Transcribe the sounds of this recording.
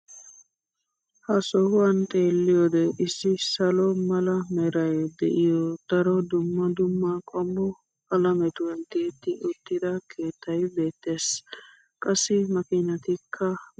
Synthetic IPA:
hɐsɔhʊwɐnt̪ʼe̞ːlːɪjɔd̪ɛʔɪsːɪsɐlɔmɐlɐmɛɾɐjd̪ɛ̰ʔɪjɔd̪̥ɐɾɔd̪ʊmːɐd̪ʊmːɐkʼɔmːɔ | ɐlɐmɛt̪ʊwɐnt̪eːt̪ːɪʊt̪ːɪd̪ɐkʰe̞ːt̪ʰːɐjbe̞ːt̪ːe̞ːs | kʼɐsːɪmɐkɪnɐt̪ɪkʰːɐ

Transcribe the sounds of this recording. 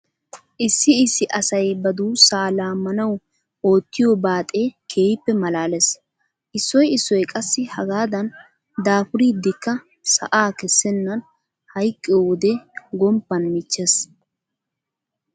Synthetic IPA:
ʔɪsːɪɪsːɪʔɐsɐjbɐd̪uːsaːlaːmːɐnɐw | o̞ːt̪ːɪjobaːt̪ʼe̞ːkʰe̞ːjɪpːɛmɐlaːles | ʔɪsːɔjɪsːɔjkʼɐsːɪhɐɡaːd̪ɐn | d̪aːpʊɾid̪ːɪkːɐ | sɐ̰ʔaːkɛsːɛnːɐn | hɐjkʼːɪjwɔd̪ɛɡɔmpːɐnmɪt͡ʃːes

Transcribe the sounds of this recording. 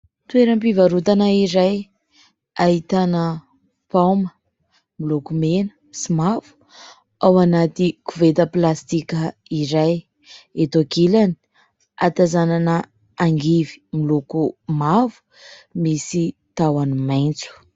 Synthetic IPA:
t̪weɾəmpivaɾut̪anaiɾaj | ait̪anə | pawmə | milukumenə̥ | simavu̥ | awanat̪ikuvet̪əplast̪ikʲəiɾaj | et̪okilani̥ | at̪azananə | aŋɡivi̥milukumavu̥ | misit̪awanimajnt͡su̥

